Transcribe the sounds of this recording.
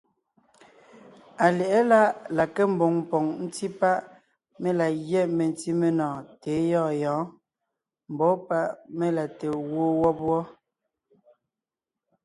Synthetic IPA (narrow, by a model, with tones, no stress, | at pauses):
a˨lɛ˨ʔɛ˦la˦ʔla˨ke˦m̩˨bo˨ŋm˨pɔ˨ŋn̩˦ti˦pa˦ʔ | me˦la˨ɣjɛ˦˨ʔme˨n˨˦ti˦me˦˨nɔ̃ː˨teː˨˦jɔː˦˨jɔ̃ː˨˦ | m̩˨bɔ˨˦pa˦ʔme˦la˨te˨wo˦wɔ˦pwɔ˦